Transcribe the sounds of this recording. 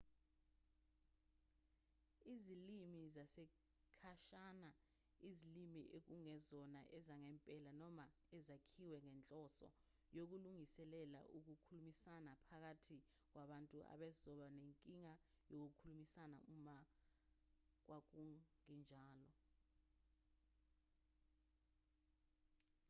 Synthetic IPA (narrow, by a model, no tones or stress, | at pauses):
izilimizasɛ | kʰaʃana | izilimiʔek̬uŋɛzɔnaʔɛzaŋɛmpʼɛlanɔma | ɛzakʰiwɛŋɛnt͡ɬʼɔsɔ̰ | jok̬uluŋisɛlɛla̰ʔuk̬ukʰulumisanapʰak̬atʰi | k̬waɓantʼuʔa̰ɓɛzɔɓaneŋkʼiŋa | jok̬ukʰulumisana̰uma | k̬wak̬uŋind͡ʒʱaːlɔ